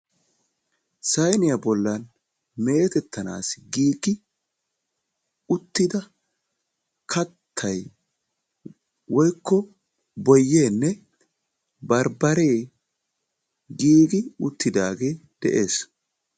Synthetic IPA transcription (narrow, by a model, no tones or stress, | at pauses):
sɐjnɪjɐbɔlːɐn | me̞ːt̪ɛt̪ʰːɐna̰ːsɡiːɡɪ | ʊt̪ːɪd̪ɐ | kʰɐt̪ʰːɐj | wɔjkːɔ | bɔjːe̞ːnːɛ | bɐɾbɐɾe̞ː | ɡiːɡɪʊt̪ːɪd̪aːɡe̞ːd̪̥ɛʔe̞ːs